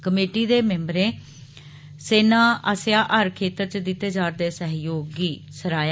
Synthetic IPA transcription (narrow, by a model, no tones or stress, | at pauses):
kəmeːʈiːd̪eːmẽːmbɾẽː | seːnaːəsjaːʔəɾkʰeːt̪əɾt͡ʃəd̪ɪt̪ːeːd͡ʒaːɾd̪eːsəɦjoːɡiː | səɾaːja